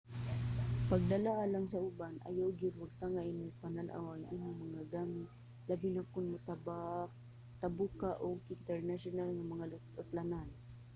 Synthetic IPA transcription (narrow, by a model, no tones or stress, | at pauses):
pɐɡ̚d̪ɐlaʔalaŋsɐʔʊbanʔɐ̰jawɡɪɾaɡ̚t̪aŋaʔɪnʊpananʔa̰wɐŋʔimoŋmɐŋaɡaːmɪt̪̚ | labɪnakʊnmʊt̪aba | t̪abukaʔoɡɪnt̪ɛɹnaʃʊnalŋamɐŋalʊ | ʊt̪lanan